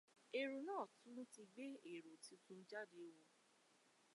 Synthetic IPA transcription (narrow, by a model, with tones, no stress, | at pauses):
e˨ɾo˨nãː˦˨tũ˦ti˧ɡ͡be˦e˨ɾo˨ti˨˧tũ˦n̩˦d͡ʒa˦de˧wɔ̃˧